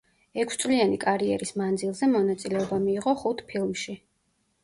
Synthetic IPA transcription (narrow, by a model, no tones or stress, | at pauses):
ɛkʷʰst̪sʼlianikʼaɾiɛɾismand̪zilˠzɛmɔnat̪sʼilɛɔbamiːʁɔχut̪ʰpʰilˠmʃi